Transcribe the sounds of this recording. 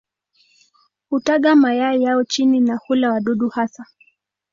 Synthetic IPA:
hutaɠamajaijaɔt͡ʃininahulawaɗuɗuhasa

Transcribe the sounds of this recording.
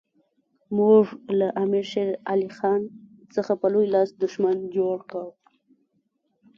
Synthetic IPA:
muʐlaʔamiɾʃeɾalixɑn | səxapəlojlɑsd̪ʊʃmand͡ʒoɽkaw

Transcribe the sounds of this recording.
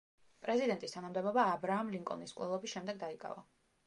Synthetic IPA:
pʼɾɛzid̪ɛnt̪ʼist̪ʰanamd̪ɛbɔbaːbɾaːmliŋkʼɔ̰niskʼlɛlˠɔbisʃɛmd̪ɛɡ̚d̪aikʼa̰va

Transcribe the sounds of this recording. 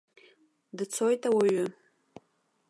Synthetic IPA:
dɨt͡sʰo̞jtʼawaɥʊ

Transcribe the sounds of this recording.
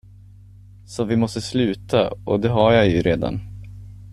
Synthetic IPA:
sɔvɪmɔst̪əslʉ̟ːt̪ʰaɔ̰d̪ɛɦaɾjajɵɾeːd̪a̰n

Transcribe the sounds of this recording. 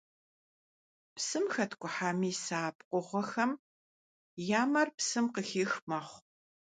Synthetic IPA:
psɨmxɐtʰkʷʼʊħaːmiːsaːpqʷʼɔʁʷɔxɐm | jaːmɐrpsɨmqəxiːxmɐχʷ

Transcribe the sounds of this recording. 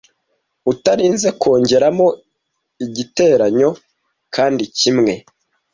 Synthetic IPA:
utaɾiːnze̞kʰo̞ːɲɟe̞ɾamo̞ | iɟite̞ːɾaɲo̞ | kʰaːndicimŋe̞

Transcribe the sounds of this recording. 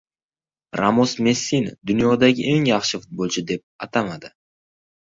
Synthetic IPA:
ɾamosme̞sːind̪ʊnjod̪aɡʲɪʔe̞ŋjɑχʃɪfʊt̪̚bolˠt͡ʃʰɪd̪e̞p̚ɑt̪amad̪ɪ

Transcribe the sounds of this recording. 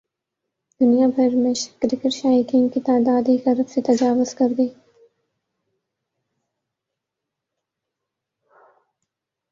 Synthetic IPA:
d̪̥ʊnijapɐɾmeʃkɾɪkəɾʃaːjikiːnkit̪aːd̪ɑːd̪ikɐɾbset̪ɐd͡ʒaːwʊz̥kɐɾd̪iː

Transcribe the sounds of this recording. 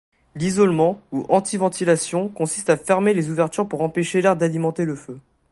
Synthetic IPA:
lizɔlmɑ̃uʔɑ̃t̪ivɑ̃t̪ilasjɔ̃kɔ̃sist̪afɛʁmelezuvɛʁt̪yʁpuʁɑ̃peʃelɛʁd̪alimɑ̃t̪eləfø

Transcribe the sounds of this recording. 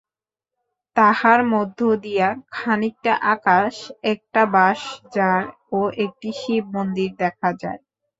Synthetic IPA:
t̪ahaɾmod̪ʱːod̪ijakʰanik̚ʈaʔakaʃɛk̚ʈabaʃd͡ʑaɾ | oʔek̚ʈiʃib̚mond̪iɾd̪ɛkʰad͡ʑa̰e

